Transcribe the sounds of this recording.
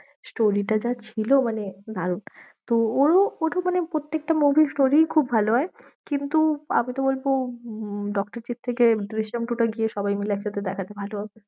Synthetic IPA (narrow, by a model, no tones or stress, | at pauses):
sʈoɾiʈad͡ʑat͡ɕʰilomaned̪ʱaɾun | t̪ooɾooʈomanepɾot̪ːek̚ʈamubʱisʈoɾikʰubːʱaloɦɔe | kint̪ua̰mit̪obolbo | ɖɔk̚ʈaɾt͡ɕit̪̚t̪ʰːekeɖɾiʃamʈuʈaɡieʃɔbajmilɛkʃat̪ed̪ɛkʰat̪ebʱaloɦabe